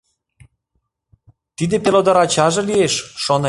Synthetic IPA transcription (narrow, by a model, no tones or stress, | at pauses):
t̪id̪epelod̪ɑɾɑt͡ɕɑʒĕlieʃʃone